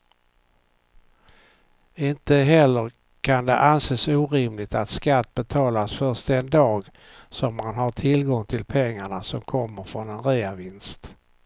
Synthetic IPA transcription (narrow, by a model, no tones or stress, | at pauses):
ɪnt̪əɦɛlːəɾ | kʰand̪ɛʔanseːsuːɾɪmlɪɡt̪at̪skat̪ːbɛt̪ʰɑːlasfœʂt̪ɛnd̪ɑːɡ | sɔmːanhaʈʰɪlɡɔŋt̪ʰɪlpʰɛŋːaɳasɔmkʰɔmːəɾfɾɔnɛnɾiːavɪnst̪